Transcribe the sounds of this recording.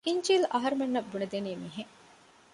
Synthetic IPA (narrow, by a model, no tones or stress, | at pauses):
iɲt͡ʃilɐɦɐɾumenːɐbːunɐd̪eniːmiːɦeŋ